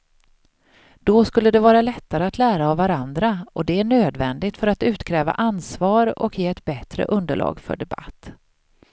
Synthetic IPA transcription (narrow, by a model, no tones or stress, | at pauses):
d̪̥ɔskɵlːəd̪ɛvɑːɾalɛt̪ːaɾəat̪ʰlæːɾaːvːaɾand̪ɾaʔɔd̪ɛæɳøːd̪vɛnd̪ɪɡ̚t̪fœɾat̪ʉ̟ːt̪kʰɾɛːva̰ʔansvɑːɾɔ̰kjeːɛt̪bɛt̪ɾə̰ʔɵnd̪əɭɑ̰ːɡfœ̰ɖɛba̰t̪ː